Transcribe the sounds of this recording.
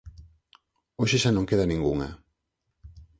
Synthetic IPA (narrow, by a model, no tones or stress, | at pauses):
oʃɪʃanõŋkeðɐnĩŋɡuŋɐ̰